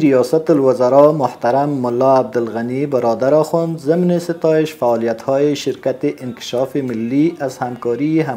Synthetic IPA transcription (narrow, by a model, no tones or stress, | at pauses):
ɾijɑsat̪ʊlwazaɾɑmʊht̪aɾamːʊlːaːb̚d̪ɪlɣanibɪɾɔd̪aɾɑxɔnd̪zɪmnesɪt̪ɑɪʃfaɑlijat̪hɔjeʃɪɾkat̪eʔɪnkɪ̥ʃɑfemɪlːiazhamkɔɾieɦa